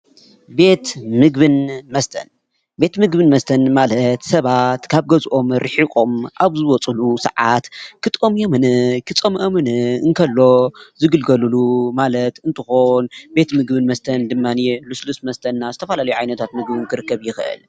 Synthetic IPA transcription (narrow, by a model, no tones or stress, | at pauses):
be̞t̪mɨɡbɨnmɐst̪ʰɐ̰n | be̞t̪mɨɡbɨnmɐst̪ʰɐnmalɐt̪sɐβat̪kʰaβɡɐzʔo̞mɾɨħikʼo̞mʔaβzɨwɔt͡sʼɨlusɐ̰ʕat̪kʰɨt̪ʼomjomɨnɨkʰɨt͡sʼomʔɐmɨnɨɨŋkʰɐlːo̞zɨɡɨlɡɐlɨlumalɐt̪ɨnt̪ʰɨxonbe̞t̪mɨɡbɨnmɐst̪ʰɐnd̪ɨmːaniluslusmɐst̪ʰɐnːazɨt̪ʰɐfɐlalɐjuʕajnɐt̪ʰat̪mɨɡbɨnkʰɨɾɨkːɐβjɪxɨʔɨ̰l